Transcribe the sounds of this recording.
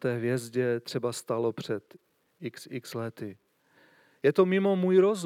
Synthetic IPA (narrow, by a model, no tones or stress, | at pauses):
t̪ɛːɦvjɛzɟɛt̪r̥ɛbast̪alopr̝̥ɛt̪ | ɪksɪkslɛt̪ɪ | jɛt̪omɪmo̞muːjɾoz